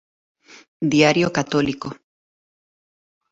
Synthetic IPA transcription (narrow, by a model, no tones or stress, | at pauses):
d̪jaɾjokat̪oliko